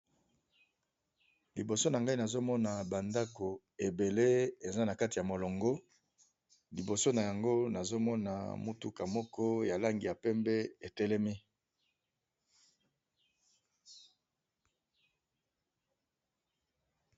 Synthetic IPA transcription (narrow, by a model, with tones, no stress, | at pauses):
li˨bo˨so˦na˨ŋɡa˦i˦na˨zo˦mɔ˦na˨ba˨nda˦ko˨ | e˨be˨le˦e˨za˦na˨ka˦ti˨ja˨mo˨lɔ˨ŋɡo˦ | li˨bo˨so˦na˨ja˨ŋɡo˦na˨zo˦mɔ˦na̰˨mu˦tu˦ka˨mɔ˦kɔ˦ja˨la˦ŋɡi˨a˨pɛ˦mbɛ˦e˨tɛ˦lɛ˦mi˦